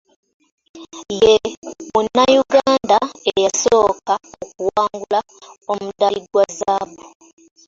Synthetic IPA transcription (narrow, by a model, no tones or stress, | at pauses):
jemunajuɡaːndaejasoːkaok̚uwaːŋɡula | omudaiɡwazabu